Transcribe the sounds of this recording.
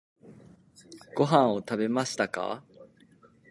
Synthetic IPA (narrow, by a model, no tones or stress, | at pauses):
ɡ̥o̞ɦãɰ̃o̞t̪abe̞maɕi̥t̪aka̰